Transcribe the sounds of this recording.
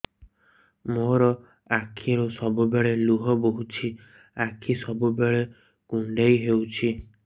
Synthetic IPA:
moɾɔ | akʰiɾusɔbubeɭeluɦɔboɦut͡ʃʰi | akʰisɔbubeɭe | ɡ̥uɳɖajɦewt͡ʃʰi

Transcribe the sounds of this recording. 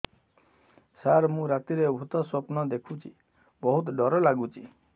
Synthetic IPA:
saɾmũɾat̪iɾebʱut̪ɔswopnɔd̪ekʰut͡ʃʰi | bɔɦut̪ɖɔɾɔlaɡut͡ʃʰi

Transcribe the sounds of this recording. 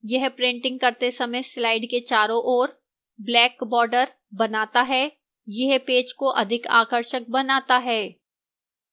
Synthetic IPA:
jɛɦpɾẽɳʈɪ̃ŋɡ̚kɐɾt̪esɐməjslaːɪɖket͡ʃaːɾõʔɔːɾ | blɛːkbɔːɾɖəɾ | bɐnaːt̪aɦɛː | jɐɦpeːd͡ʒkoʔɐd̪ʱɪka̰ːkəɾʃək̚bɐnaːt̪aɦɛː

